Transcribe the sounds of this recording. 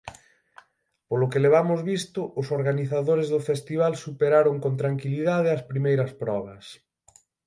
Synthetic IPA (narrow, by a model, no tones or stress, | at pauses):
polʊkeleβ̞amʊzβist̪ʊʔʊsoɾɣaniθaðoɾezðʊfest̪iβ̞alsupeɾaɾoŋkont̪ɾaŋkiliðað̞eɐspɾimejɾɐspɾɔβ̞ɐs